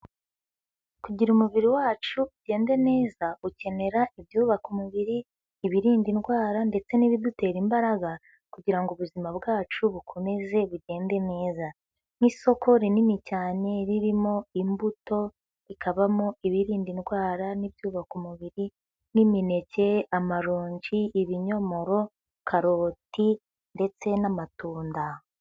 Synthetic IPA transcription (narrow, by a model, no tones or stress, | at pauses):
kuɟiɾumuβiɾiwaːt͡ʃuuɟe̞ːnde̞ne̞ːzauce̞ne̞ɾaibjuːβakumuβiɾiː | βiɾiːndinɡwaːɾande̞t͡se̞niβidute̞ːɾimbaɾaɡa | kuɟiɾaŋɡuβuzimabɡaːt͡ʃuβukʰo̞me̞ze̞βuɟe̞ːnde̞ne̞ːza | niso̞ko̞ɾininicaːne̞ɾiɾimo̞imbuto̞ | ikʰaβamoiβiɾiːndinɡwaːɾaniβjuːβakumuβiɾi | nimine̞ce̞amaɾoːɲɟiiβiɲo̞mo̞ɾo̞ | kʰaɾo̞ːti | nde̞t͡se̞namatuːnda